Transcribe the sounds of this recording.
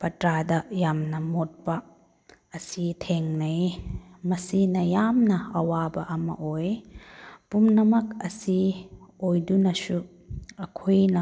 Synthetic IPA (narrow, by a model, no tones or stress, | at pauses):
pɐtɾadɐjamnɐmot̚pɐ | ɐsitʰeŋnɐjmɐsinɐjamnɐɐwabɐʔɐmɐ̰ʔoj | pumnɐmɐkɐsiojdunɐsu | ɐkʰojnɐ